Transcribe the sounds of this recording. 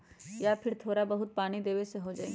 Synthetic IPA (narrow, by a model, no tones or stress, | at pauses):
japʰɪɾt̪ʰoːɾabɐɦʊt̪̚paːñid̪eːʋeseɦod͡ʒaːḛɡ